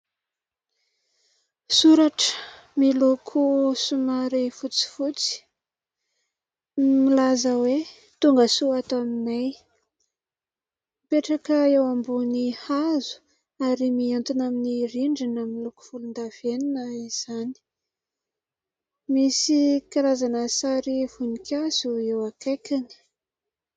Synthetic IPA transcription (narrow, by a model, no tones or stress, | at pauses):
suɾaʈ͡ʂə̥ | milokʰusumaɾifut͡si̥fut͡si̥ | milazəwe | t̪uŋɡəsuat̪aminaj | mpeʈ͡ʂakəewambunihazu̥ | aɾimiant̪unaminiɾiɳɖ͡ʐinamiluku̥fulund̪av̥eninəiz̥ani̥ | misikiɾazanəsaɾivunikʲʰazuewakekani̥